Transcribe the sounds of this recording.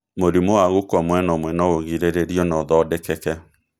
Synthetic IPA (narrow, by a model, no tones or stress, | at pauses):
moɾimowaɣokɔmwɛnɔmwɛnɔoɣiɾeɾeɾiɔnɔðɔdɛkɛkɛ